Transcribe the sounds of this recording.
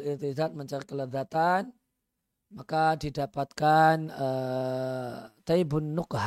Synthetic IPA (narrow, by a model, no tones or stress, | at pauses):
lirt̪izat̪̚məɲt͡ʃaɾikələd̪at̪an | makadidapat̪̚kanə | t̪ajbʊnːʊkɦ